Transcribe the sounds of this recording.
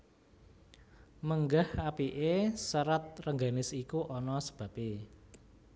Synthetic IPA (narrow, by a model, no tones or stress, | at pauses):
məŋɡahapiʔesəɾat̪̚rəŋɡanɪsikuʔɔnɔsə̥b̥ä̤pe